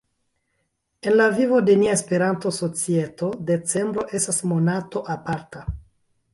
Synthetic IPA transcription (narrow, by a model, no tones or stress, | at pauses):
e̞nlavivo̞de̞niaespe̞ɾanto̞so̞t͡sie̞to̞de̞t͡se̞mbɾo̞ʔe̞stasmo̞nato̞ʔapaɾta